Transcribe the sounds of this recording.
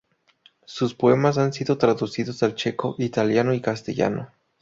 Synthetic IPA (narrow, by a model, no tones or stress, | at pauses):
suspoe̞mas̬ansiðo̞t̪ɾaðusiðo̞salt͡ʃe̞ko̞ʔit̪aljanoikast̪ḛʝa̰no̰